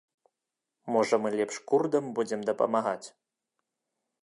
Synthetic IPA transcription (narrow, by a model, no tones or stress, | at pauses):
mɔʐɐmɨlʲɛpʂkurd̪ɐmbud͡zʲɛmd̪ɐpɐ̰maɣat͡sʲ